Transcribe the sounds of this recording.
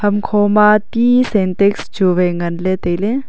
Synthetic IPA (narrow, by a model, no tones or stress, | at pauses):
hɐmkʰoːmaːt̪isent̪eksd͡ʒuʋeŋɡɐnlet̪elẽ